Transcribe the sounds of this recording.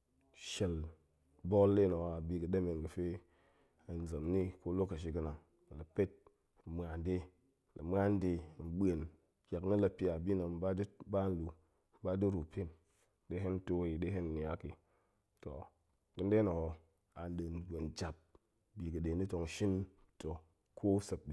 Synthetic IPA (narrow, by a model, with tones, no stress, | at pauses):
ʃe˨l | bo˦lːe˦na˨o˨a˨bi˧kɨ˨de˦me˨nkɨ˨fe˦ | a˨n˦zɨ˨mni˦ko˦lo˦kːə˨ʃ̬i˧kɨ˦na˨ŋ˨ | lə˨pe˦t̚ | m˨a˨n˦de˦˨ | lə˨m˦a˦n˦de˧˨m̩˦ɓe˨n | kʲa˨kni˦la˧pi˦a˨bi˦na˨m̩˦ba˦dba˦n̩˦lu˨ | m˦ba˦di˦ɾu˨pʲi˦n˦ | de˦ɦe˦n˦to˦i˨de˦ɦe˦n˨ni˨a˦ki˨ | to̰˨ | kɨ˦nde˦no˨ho˨ | a˨n˦de˨n˨ɡʷe˨nd͡ʒa˨p̚ | bi˨kɨ˨de˨ni˦to˨ŋ˨ʃi˦n | to˨ | kʰo˦sə˨k̚ɗi˨